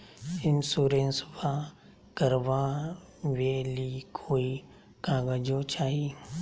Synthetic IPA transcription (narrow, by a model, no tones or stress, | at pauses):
ɪnsuːɾeːnsbã | kəɾʋa | ʋeːlikʰoːi | kãːɡəd͡ʒot͡ʃaːɦiː